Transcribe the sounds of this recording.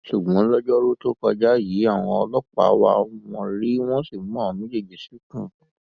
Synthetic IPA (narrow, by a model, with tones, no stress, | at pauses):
ʃu˨ɡ͡bɔ̃˨˦lɔ˦d͡ʒɔ˦ɾo˦to˦kɔ˧d͡ʒa˦ji˨˦a˦˨w̃ɔ̃˧ɔ˧lɔ˦k͡pa̰˨˦wa̰˧w̃ɔ̃˧ɾi˦w̃ɔ̃˦si˦˨˦ɔ̃˦˨mĩ˦d͡ʒe˦˨d͡ʒi˨si˨˦kũ˦˨